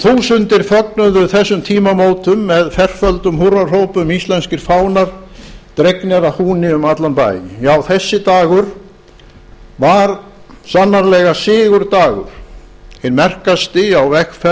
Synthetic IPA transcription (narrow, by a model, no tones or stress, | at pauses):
θuːsʏnt̪ɪɾ̥fœknʏðʏθɛsːʏmt̪ʰiːmamoːwt̪ʏmːɛðfɛr̥fœlt̪ʏmhurar̥owpʏmist̪lɛnscɪɾ̥faːwnaɾ̥t̪ɾeknɛɾahuːnɪʏmat̪lanpa̰ːjjɪ̰jawθɛsːɪt̪aːɣʏɾ̥ | vaɾsanːaɾlɛːɣasɪːɣʏɾt̪aːɣʏ̰ɾ̥ | hɪnmɛr̥kast̪ɪawvɛxfɛ